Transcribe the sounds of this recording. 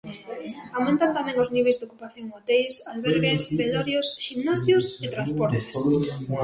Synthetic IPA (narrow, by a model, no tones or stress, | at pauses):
awmẽnt̪ant̪amɛ̃ŋʊzniβejzd̪okupaθjoŋot̪ejsalβɛɾɣespeðɔɾjosʃimnasjʊset̪ɾanspɔɾt̪e̥s